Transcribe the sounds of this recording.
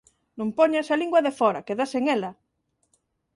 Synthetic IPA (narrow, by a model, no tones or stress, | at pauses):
nũmpɔɲsaliŋɡwɐðefɔɾa̰keðaseŋela